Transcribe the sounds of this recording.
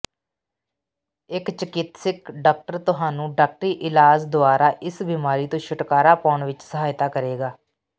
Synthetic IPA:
ɪkt͡ʃəkɪt̪sɪkɖaːk̚ʈəɾt̪ʊɦaːnũːɖaːk̚ʈəɾiːʔɪlaːd͡ʒd̪ʊaːɾaːʔɪsbiːmaːɾiːt̪õːʃʊʈkaːɾaːpɔːɳʋɪt͡ʃsəɦaːjt̪aːkəɾeːɡaː

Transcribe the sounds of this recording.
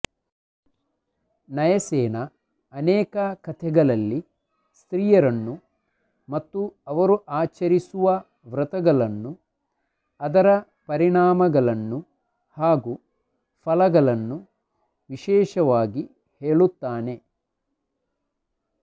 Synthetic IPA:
nɐjɐsɛːnɐː | nɛːkɐkɐt̪ʰɛɡɐɭɐlːi | st̪ɾiːjɐɾɐnːu | mɐt̪ːuɐʋɐɾuʔaːt͡ʃɐɾisuʋɐ | ʋɾɐt̪ɐɡɐɭɐnːu | ɐd̪ɐɾɐ | pɐɾiɳaːmɐɡɐɭɐnːu | haːɡu | fʰɐlɐɡɐɭɐnːu | ʋiʃɛːʃɐʋaːɡi | heːɭut̪ːaːne̞

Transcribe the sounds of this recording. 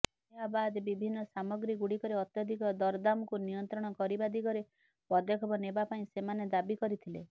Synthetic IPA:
njabad̪bibʱinːɔsamɔɡɾiɡuɽikɔɾeɔt̪jɔd̪ʱikɔd̪ɔɾd̪amɔkunijɔnt̪ɾɔɽ̃ɔkɔɾibad̪ikɔɾe | pɔd̪ɔkʰɔbɔnebapaĩsemaned̪abikɔɾit̪ʰilḛ

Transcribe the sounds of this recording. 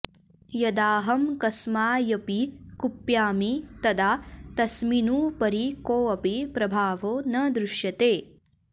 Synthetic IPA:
jɐd̪aːɦɐmkɐsmaːjɐpikupjaːmit̪ɐd̪aːt̪ɐsminuːpɐɾikoːɐpipɾɐbʱaːʋoːnɐd̪ɾuʃjɐt̪eː

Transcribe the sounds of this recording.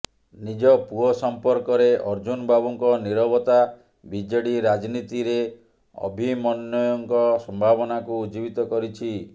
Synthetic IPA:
nid͡ʒɔpuɔsɔmpɔɾkɔɾeʔɔɾd͡ʒunbabuŋkɔniɾɔbɔt̪a | bid͡ʒeɽiɾad͡ʒnit̪iɾe | ɔ̰bʱimɔnːɔjɔŋkɔsɔmbʱabɔnakuːd͡ʒibit̪ɔkɔɾit͡ʃʰi

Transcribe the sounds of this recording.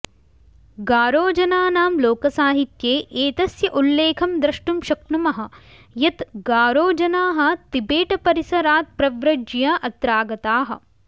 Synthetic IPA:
ɡaːɾoːd͡ʒɐnaːnaːmloːkɐsaːɦit̪jeːʔeːt̪ɐsjɐʔulːeːkʰɐmd̪ɾɐʃʈumʃɐknumɐɦɐ̆ | jɐt̪ɡaːɾoːd͡ʒɐnaːɦɐ̆t̪ibeːʈɐpɐɾisɐɾaːt̪̚pɾɐʋɾɐd͡ʒjaʔɐt̪ɾaːɡɐt̪aːɦɐ̆

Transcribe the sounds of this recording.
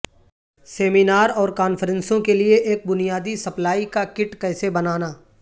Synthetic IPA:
seːminaːɾɔːɾkaːnfəɾə̃nsõkelieʔeːk̚bʊnijaːd̪isɐplaːikakɪʈkɛːsebɐnaːnaː

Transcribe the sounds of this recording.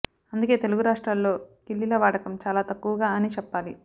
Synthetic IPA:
ɐnd̪uke̞ːt̪e̞luɡuɾaːʂʈɾaːnllo̞ːkilːilɐʋaːɽɐkɐmt͡ʃaːlaːt̪ɐkːuʋɐɡaːɐnit͡ʃɛpːaːlḭ

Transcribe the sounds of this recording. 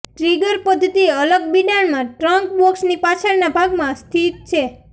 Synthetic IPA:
ʈɾiɡəɾpɔd̪ʱət̪ieələɡbiɖaɳmãʈɾɔŋk̚bɔksnipat͡ʃʰaɾnabʱaɡmãst̪ʰit̪̚t͡ʃʰe

